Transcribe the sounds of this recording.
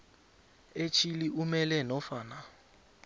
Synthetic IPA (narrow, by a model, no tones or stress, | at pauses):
et͡ʃʰiliʔumɛlɛnɔfaːna